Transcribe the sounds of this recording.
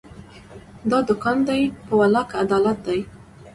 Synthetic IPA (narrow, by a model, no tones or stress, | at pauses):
d̪ɑd̪ʊkɑnd̪ajpəwalɑkad̪ɑlat̪̚d̪aj